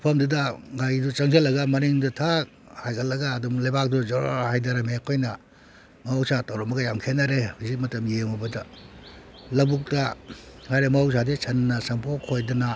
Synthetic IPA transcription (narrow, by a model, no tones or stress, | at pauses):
pʰɐmdudɐɡajdut͡ʃɐŋs̬ʰelːɐɡɐmɐniŋdutʰak̚ | hajkʰɐlːɐɡaːdumlajbak̚duzɔɾhajdɐɾɐmekʰojnɐ | mawsatawɾɔmɐɡɐjamkʰenɐɾehuzik̚mɐtɐmjemɔbɐdɐ | lɐbuk̚tɐhajɾemaws̬adesʰɐnːɐsɐmpʰokʰojdunɐ